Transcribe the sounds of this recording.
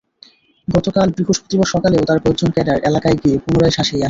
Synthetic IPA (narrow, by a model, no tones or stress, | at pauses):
ɡɔt̪okalbɾiɦoʃpot̪ibaʃɔkaleot̪aɾpod͡ʑonkɛɖaɾelakajɡiepunoɾajʃaʃejaʃ